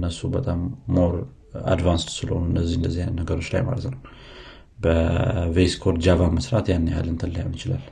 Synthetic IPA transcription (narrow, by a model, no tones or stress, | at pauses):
nːəsubət̪ʼamːo̞ɾ | a̰d̪vanst̪sɨləho̞nuɨnːəzːihɨnd̪əzːinəɡəɾo̞t͡ʃːla̰jma̰lət̪nəw | bəveskʰoɾd͡ʒavaməsɾat̪janːeha̰lːənt̪ʰəlːəja̰mnɨt͡ʃɪlal